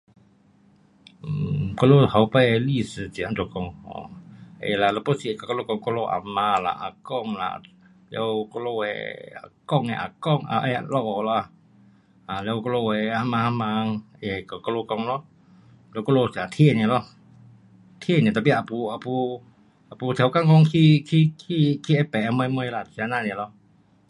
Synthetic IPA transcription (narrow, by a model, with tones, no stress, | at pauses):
kɔ˧loha˨wpali˧sə˧d͡ʒi˨a˦nd͡ʒɔ˨kɔ˧ŋhɔ̰ḛla˨lɔ˧pɔsi˨ɛ˨ka˨kɔ˧lo˧kɔ˧ŋkɔ˧lo˧ʔa̰˨ma˧la̰˨ʔa̰˨kɔ˧ŋla̰ | lɛ˧wkɔ˧lo˧wɛ̰a̰˨kɔ˧˨ŋɛ̰˧˨ʔa̰˨kɔ˧ŋa̰ʔɛ̰˨lɔ˨la˧ | a˨lɛ˧wkɔ˧lo˧we˨a˧ma˧ha˧ma˧ŋe˧˨ka˨kɔ˧lo˧kɔ˧ŋlɔ˧ | lɛ˧wkɔ˧lo˧si˨a˨t̪ʰi˧ni˧˨lɔ˧h | t̪ʰi˧˦ni˨t̪a˧p̬i˧a˨pu˧a˧pu˧ | ʔa˨pu˧t̪ʰɛ˨wka˧ŋkɔ˧ŋkʰi˧kʰi˧kʰi˧kʰi˧ɛ˧pɛ˨ʔa˧mə˧jmə˧jla˧˨si˧a˧na˧˨ni˨lɔ˧